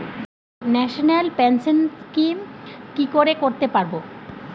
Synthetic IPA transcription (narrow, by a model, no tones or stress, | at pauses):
nɛʃonelpensenkimkikoɾekoɾt̪epaɾbo